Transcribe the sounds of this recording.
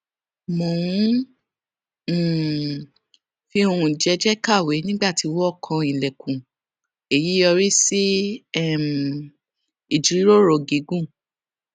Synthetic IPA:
mõ˨ũ˨˦˨ | fi˧o˧ɾũ˨d͡ʒɛ˧˦d͡ʒɛ˦ka˦˨we˨˦nĩ˦ɡ͡ba˦˨ti˨˧wɔ˦˨kʰã˧ĩ˨lɛ˨kʰũ˨ | e˨ji˨˦jɔ˧ɾi˦si˦ɛ˦˨m | i˨d͡ʒi˨ɾi˨˦ɾo˦˨ɾo˨ɡi˨˦ɡũ˦˨

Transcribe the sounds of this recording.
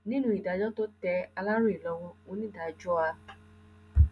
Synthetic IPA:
nĩ˦nũ˦i˨da˨d͡ʒɔ˦to˦tɛ˧a˧la˦ɾu˦i˨lɔ˧˦w̃ɔ̃˧õ˨˦nĩ˦˨da˨d͡ʒɔ˦a˧

